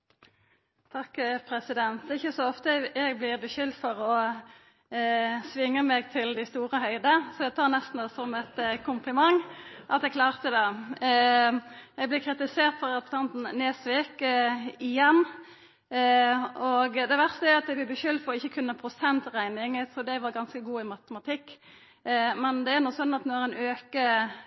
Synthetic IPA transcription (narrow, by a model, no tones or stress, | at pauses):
t̪ʰɑkːpʰʁɛsɪd̪ɛnt̪ɪçːəsɔɔft̪əɛɡblɪʁbəʃʏld̪fɔʁɔ | sʋɪŋːəmɛɡt̪ʰɪld̪æɪst̪uːʁəhœʏd̪əsɔɛɡt̪ʰɑːɾnɛst̪n̩d̪ɛsɔmɛt̪kʰʊmplɪmɑŋʔɑt̪ɛɡkʰlɑːʁt̪əd̪ɛ | jæɪblɪkʰɾɪt̪ɪseːʁt̪fɔɾɑpt̪ʰɑnt̪n̩neːsʋɪkɪjɛnː | ɔɡd̪ɛʋæʁst̪əæɾɑt̪̚d̪æɪɡb̪lɪbəʃʏld̪fɔɾɔɪçːəkʰʉnːəpʰʁʊsɛnt̪ʁæɪnɪŋsɔd̪ɛʋɑɾɡɑnskəɡuːɪmɑt̪əmɑt̪ʰɪkː | mɛnd̪ɛæɾnɔsɔnːɑt̪nɔɛɾæɪnøːkə